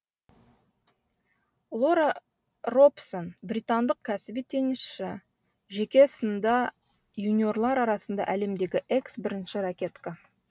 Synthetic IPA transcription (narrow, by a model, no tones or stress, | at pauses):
lˠo̞ɾa | ro̞psonbrʲijt̪ɑnd̪əq̚kʲʰæsɪbit̪ʰːe̞nɪsʃɪ | ʒe̞kʲe̞sənd̪ɑ | junʲio̞rlˠɑɾɑɾɑsənd̪ɑ̰ʔæle̞md̪e̞ɡʲɪʔe̞ksbɪɾɪnʃɪɾakʲe̞t̪ka